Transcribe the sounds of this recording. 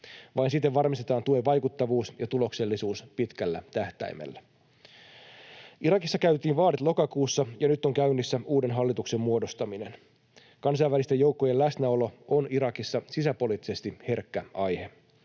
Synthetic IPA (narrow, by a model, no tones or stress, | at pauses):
ʋɑjnsit̪ːeʋʋɑrmist̪et̪ɑːnt̪uoʋɑjkut̪ːɑʋuːsjɑt̪ulo̞kse̞lːisuːspit̪kælːæt̪æht̪æ̰jmḛlːæ | ʔiɾɑkisːɑkæyt̪iːnʋɑːɾet̪lo̞kɑkuːsːɑjɑnyt̪ːo̞ŋkæynːisːæuːde̞nɦɑlːit̪ukse̞mmuo̞do̞st̪ɑminen | kɑns̬ɑjʋælist̪e̞jo̞uwkːoje̞læsnæo̞lo̞ʔoniɾɑkisːɑsisæpo̞liːt̪ːise̞st̪ihe̞rkːæɑjhe̞